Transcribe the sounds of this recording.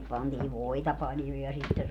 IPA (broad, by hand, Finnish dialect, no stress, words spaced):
pɑntiːʋ ʋoitɑ pɑljo jɑ sitːe